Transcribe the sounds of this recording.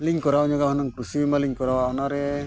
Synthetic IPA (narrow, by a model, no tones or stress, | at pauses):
liŋkɔɾaɔɲaɡaɦɔnaŋkɾusimaliŋkɔɾawaɔnaɾɛ